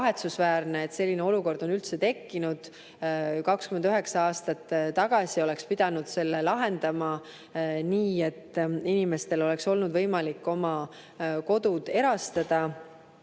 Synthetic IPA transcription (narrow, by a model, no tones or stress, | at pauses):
ɦe̞t̪susvæːrneet̪ːse̞lːineo̞luko̞rd̪̥o̞nylt̪se̞t̪e̞kːinud̪̥ | kɑkskymend̪yɦe̞ksɑɑːst̪ɑt̪ːɑɡ̥ɑsio̞le̞kspid̪̥ɑnud̪̥se̞lːe̞lɑɦe̞nd̪̥ɑmɑ | niːe̞t̪ːˑinime̞st̪e̞lo̞le̞kso̞lnud̪vɤjmɑlikːo̞mɑ | ko̞d̪ud̪̥e̞ɾɑst̪ɑd̪̥ɑ